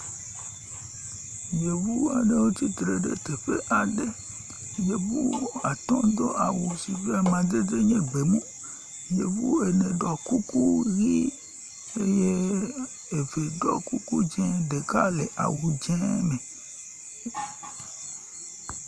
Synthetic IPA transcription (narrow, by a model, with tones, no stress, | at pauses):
ɲẽ˨vu˦a̰˨ne˦wo˦t̪i˦t̪ɾe˨ɖḛ˦t̪e˨ɸe˦ʔa˨ɖe˦ | ɲẽ˨bu˦a˨t̪ɔ̃˦d̪o˦ʔa˨wu˨si˨ve˦a˨mã˨d͡ze˦d͡ze˦ɲẽ˦ɡ͡be˨mũ˦ | ɲe˨vu˦e˨nẽ˨ɖɔ˨ku˦ku˦ɣi˦ | e˦je˦ | e˨ve˨ɖɔ˦ku˦ku˦d͡ʒɛ̃˦ɖe˨ka˦le˨ʔa̰˨wu˨d͡ʒɛ̃˦me˨